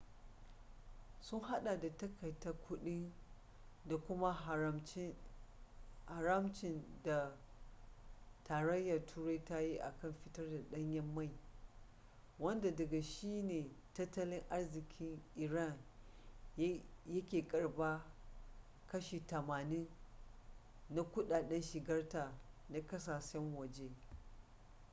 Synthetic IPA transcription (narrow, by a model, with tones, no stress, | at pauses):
sʊ˦ŋɦa˦ɗa˨da˨tɐ˦kɐ˨jtɐ˦kʷʰʊ˦ɗɪ˦n | da˨kʷʊ˦ma˦ɦa˨ɾɐ˦mt͡ʃɪ˦ | ha˨ɾɐ˦mt͡ʃɪ˨nda˨ | taː˨ɾɐ˦jːɐ˨rtʰuː˦ɾa˦jta˦ji˦ʔa̰˨kɐ˦˨mɸɪ˦tɐ˦rda˨ɗɐ˦ɲjɐ˦mːa˦˨j | wɐ˦nda˨dɐ˨ɡa˨ʃiː˦neː˨ | tɐ˦tːɐ˦lɪ˦ŋʔa˦rzɪ˨kʲʰɪ˦ŋʔɪ˨ɾa˦˨ŋ | jɐ˦kʲeː˨kʼɐ˨ɽbaː˦ | kɐ˦ʃi˨tɐ˨maː˨nɪ˦n | na˦kʷʊ˦ɗaː˨ɗɐ˦nʃɪ˨ɡɐ˦rtaː˨na˦kɐ˦s̬aː˨ʃɛ˦ŋwɐ˨d͡ʒe˦